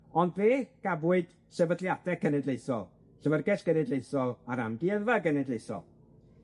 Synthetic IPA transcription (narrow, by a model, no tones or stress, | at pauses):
ɔndveːɡ̥abʊɨd̥ | sɛvədlˠjadɛkʰənɛdlejsɔ̰lˠ | ɬəvərɡɛɬɡ̥ənɛdlejθɔlˠaɾamɡɪəðvaɡənɛdlejθɔ̰lˠ